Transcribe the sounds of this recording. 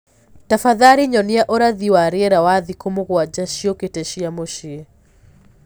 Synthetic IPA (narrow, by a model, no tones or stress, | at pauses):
tafaðaɾiɲɔniaʔoɾaðiwaɾiɛɾawaðikomoɣwad͡ʒaʃioketɛʃiamoʃi